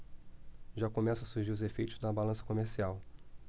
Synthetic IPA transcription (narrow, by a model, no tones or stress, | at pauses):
ʒakomɛsʊɐsuɾʒiɾʊzefejt̪ʊzd̪ɐbalɐ̃sɐ̥komeɾsiaw